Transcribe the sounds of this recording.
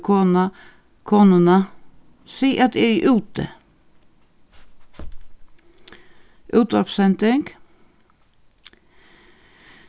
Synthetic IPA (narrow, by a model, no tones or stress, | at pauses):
kʰoːnɑ | kʰoːnʊnɑ | siːʔɑt̪̚ːeɾiʔʉːt̪ə̰ | ʔʉːt̪əɔpsɛnt̪ɪŋɡ